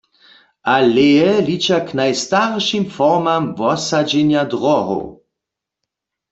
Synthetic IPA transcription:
ʔalɛɛlit͡ʃaknajst̪aʁʃimfɔʁmamvɔsad͡ʒɛnjadʁɔɦo̰w

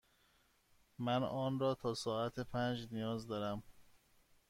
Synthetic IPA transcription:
mænɒːnɾɒːt̪ʰɒːsɒːæt̪ʰepʰænd͡ʒnijɒːzd̪ɒːɾæm

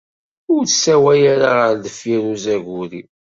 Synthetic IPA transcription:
ʊɾsæwæjaɾaʁəɾðəfiɾuzæʝʊɾi

